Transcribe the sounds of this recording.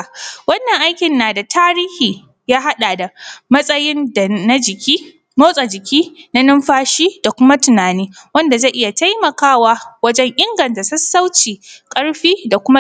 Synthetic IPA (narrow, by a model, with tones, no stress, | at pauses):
wɐ˦nːɐ˨ŋʔa˦jkʲɪ˨nːaː˨da˨tʰaː˦ɾiː˦hiː˨ | jaː˦ɦa˦ɗa˨da˨mɐ˦sʼɐ˦jɪ˦n˨na˦d͡ʒɪ˨kʲi˦ | moː˦sʼa˨d͡ʒɪ˨kʲiː˦na˦nʊ˦mɸaː˦ʃiː˦da˨kʷʊ˦ma˦tʊ˨naː˨niː˦wɐ˦nda˨zaː˦ʔɪ˦ja˨ta˦jmɐ˨kaː˦waː˦wɐ˦d͡ʒɛ˦ŋʔɪ˦ŋɡɐ˨nta˨sɐ˦sːa˦wt͡ʃiː˨kʼɐ˦ɽɸiː˦da˨kʷʊ˦ma˦